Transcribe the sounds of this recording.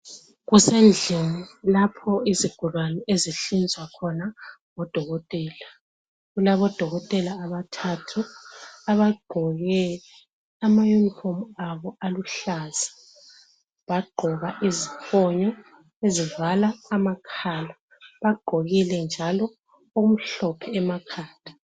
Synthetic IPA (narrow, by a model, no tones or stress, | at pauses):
ɣusend͡ɮʱinilapʰɔiziɡ̥ʱulwanieziɬind͡zʱwakʰɔnaŋɔd̥ʱɔɣɔtʼɛːla | ɣulaβɔd̥ʱɔɣɔtʼɛlaːβatʰatʰuaβaɡ͡ǃʱɔɣɛ | amajunifɔmaβɔaluɬaza | βaɡ͡ǃʱɔɣaʔizifʰɔɲɔ | ezivalaːmakʰaːla | βaɡ͡ǃ̥ʱoɣilɛnd͡ʒʱalɔ | uum̩ɬɔpʰɛɛmakʰaːtḁ